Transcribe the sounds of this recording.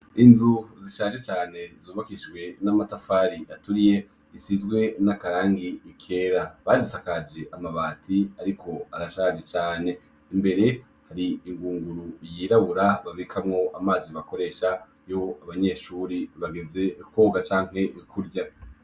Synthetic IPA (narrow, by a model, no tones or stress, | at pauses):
inzuziʃaːʒe̞t͡ʃaːne̞zuːβakiʃɡwe̞namatafaɾiʔatuɾije̞ | isizɡwe̞nakaɾaːŋɡiːkʰe̞ːɾaβazisakad͡ʒe̞ʔamaβaːtʰiaɾikʰo̞aɾaʃaːd͡ʒe̞t͡ʃaːne̞ | imbe̞ɾe̞ | haɾiiŋɡuːŋɡuɾujiːɾaβuɾaβavikʰamŋo̞ʔamaːziβako̞ɾe̞ːʃa | jo̞aβaɲe̞ːʃuːɾiβaɡeze̞ko̞ːɡat͡ʃaːŋ̥he̞kʰuɾɟa